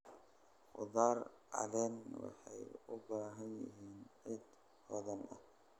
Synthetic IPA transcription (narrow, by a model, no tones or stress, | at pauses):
χʊðaːr | ɑ̰lɛnwɑ̰ħɑjʊbaːɦɐnjɪ̰ɦiːnʕɪd̪ | fɔðɐnʔɐ